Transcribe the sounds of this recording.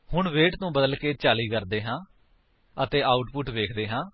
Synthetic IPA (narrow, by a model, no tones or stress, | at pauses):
hʊɳʋeːʈnũːbəd̪əlkeːt͡ʃaːliːkəɾd̪eːɦãː | ət̪eːʔaːʊʈpʊʈʋeːkʰd̪eːɦãː